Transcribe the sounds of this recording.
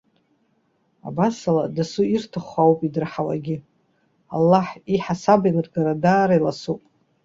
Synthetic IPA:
a̰basaladasuirtʰɨχʷawpʼidɨrħawa̰ɡʲɪ | a̰lːaħiħasabajnɨrɡaɾadaːɾailasupʼ

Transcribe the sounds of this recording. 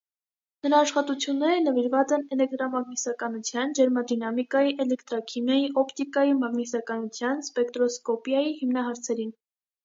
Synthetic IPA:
nəɾɑːʃχɑt̪ut͡sʰjunːɛɾənəviɾvɑt͡sɛnɛlɛk̚t̪ɾɑmɑɡnisɑkɑnut͡sʰjɑnd͡ʒɛɾmɑd̪inɑmikɑjiʔɛlɛkt̪ɾɑkʰimjɑjiʔɔpt̪ikɑjimɑɡnisɑkɑnut͡sʰjɑnspɛkt̪ɾɔskɔpjɑjihimnɑɦɑɾt͡sʰɛɾin

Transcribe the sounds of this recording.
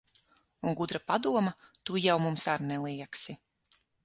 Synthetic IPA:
unɡud̪ɾapad̪uɔmɐt̪ujawmumsaɾnɛlˠiɛksi

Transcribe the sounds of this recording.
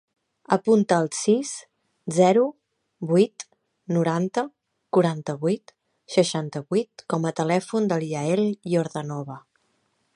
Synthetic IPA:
əpunt̪əːlˠsis | zɛɾu | bujt̪ | nuɾant̪ə | kuɾant̪əβujt̪ | ʃəʃant̪əβuijt̪̚kɔmət̪əlɛfund̪əlˠiəɛlioɾðənɔβə

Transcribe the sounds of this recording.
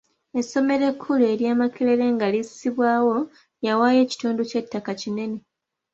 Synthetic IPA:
e̞sːo̞me̞ɾe̞kʰːule̞ːɾjaːmakele̞le̞ŋɡalissiβwaːwo̞ | jawaːje̞ːci̥tuːnduce̞tːakacine̞ne̞

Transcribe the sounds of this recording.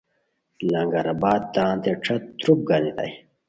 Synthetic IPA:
lɐŋɡɐɾɐbaːd̪̚t̪ãːnt̪eʈ͡ʂʰɐt̪t̪ɾup̚ɡɐnit̪ɐ̰j

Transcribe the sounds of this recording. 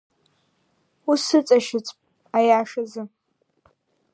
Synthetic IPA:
usɨt͡sʼaʃɪt͡sʼpʼ | ajaːʂɐzɨ

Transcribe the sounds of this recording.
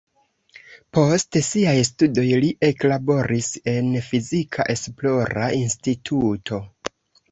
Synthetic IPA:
po̞stsiajstudo̞jliʔe̞klabo̞ɾise̞nfizikʰa̰ʔe̞splo̞ɾa̰institʰutʰo̞

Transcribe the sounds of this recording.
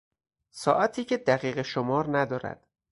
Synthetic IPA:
sɒːʔæt̪ʰiːcʰed̪æɣiːɣeʃomɒːɾnæd̪ɒːɾæ̰d̪̥

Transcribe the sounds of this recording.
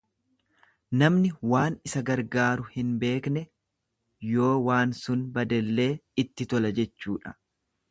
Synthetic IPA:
nɐmnɪwaːnɪsɐɡɐɾɡaːɾʊhɪnbe̞ːknɛ | jo̞ːwaːnsʊnbɐd̪ɛlːe̞ːɪt̪ːɪt̪ɔlɐd͡ʒɛt͡ʃːuːᶑɐ̥

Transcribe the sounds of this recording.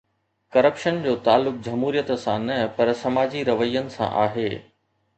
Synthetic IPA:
kɐɾəpʃənd͡ʑoːt̪aːlːʊk̚d͡ʑɐmɦuːɾijət̪sãnɐpɐɾsɐmaːd͡ʑiɾɐʋəijːənɪ̆sã̰ʔaːɦeː

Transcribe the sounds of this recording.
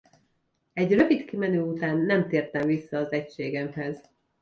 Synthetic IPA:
ɛɟrø̞vit̪kimɛnøːut̪aːnːɛmt̪eːrt̪ɛɱvisːɒːzɛcʃeːɡɛmɦɛz

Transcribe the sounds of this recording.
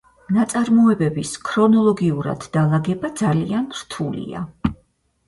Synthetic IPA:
nat̪sʼaɾmɔɛbɛbiskʰɾɔnɔlˠɔɡiuɾa̰d̪̥ːalˠaɡɛbad̪zalianɾt̪ʰulḭa̰

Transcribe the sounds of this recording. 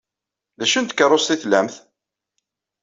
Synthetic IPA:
ðæʃənt̪kərˤːost̪iθlæmθ

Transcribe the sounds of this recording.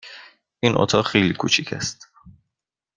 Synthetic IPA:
ʔinʔo̰t̪ʰɒːɣxejlikʰut͡ʃʰicʰæ̰st̪

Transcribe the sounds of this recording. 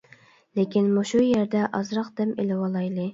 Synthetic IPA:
lekʲinmuʃujæɾd̪ɛʔɑzɾɑqd̪ɛmelɪwɑlˠɑjlˠɨ

